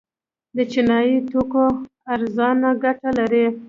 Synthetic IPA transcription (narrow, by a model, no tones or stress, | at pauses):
d̪ət͡ʃɪnɑjit̪oko | aɾzɑnaɡaʈalaɾi